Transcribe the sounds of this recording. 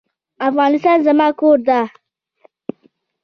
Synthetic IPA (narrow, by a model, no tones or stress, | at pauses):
afɣɑnɪst̪ɑnzamɑkoɾd̪a